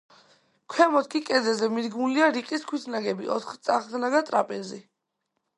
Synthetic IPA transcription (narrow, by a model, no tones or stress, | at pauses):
kʰwɛmɔt̪̚ʰkʰʼikʼɛzɛzɛmid̪ɡmuliaɾiqʼiskʰwisʰnaɡɛbḭʔɔ̰t̪ʰχt̪sʼaχd̪naɡat̪ʼɾapʼɛɾzḭ